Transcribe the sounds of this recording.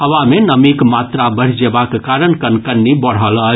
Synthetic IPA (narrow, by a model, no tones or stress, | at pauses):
ɦəʋamenəmikmat̪ɾabəɽ̤d͡ʒebakekaɾənkənkəɾnibəɽ̤ɦələ